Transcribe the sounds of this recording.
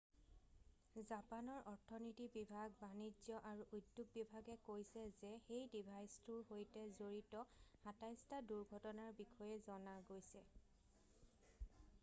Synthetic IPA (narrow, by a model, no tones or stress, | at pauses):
zapanɔɹʔɔɹtʰɔnitibibʱaɡ̚banizjɔʔaɹuʔudːjuɡ̚bibʱaɡɛkojsɛzɛxejdibʱajstuɹɦojtɛzoɹitɔhatajstaduɹɡʱɔtɔnaɹbixʰɔjɛzɔnaɡojsɛ